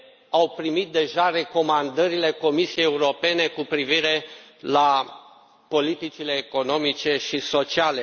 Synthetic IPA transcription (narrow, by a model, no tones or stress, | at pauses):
awpɾimit̪̚d̪e̞ʒare̞ko̞mand̪əɾile̞ko̞misiejeuɾo̞pe̞ne̞kupɾiviɾe̞la | po̞lit̪it͡ʃile̞ːko̞no̞mit͡ʃe̞ʃiso̞t͡ʃiale̞